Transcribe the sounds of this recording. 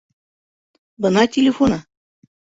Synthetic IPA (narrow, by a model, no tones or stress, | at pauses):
bɤ̆nɑtʲelʲefonɑ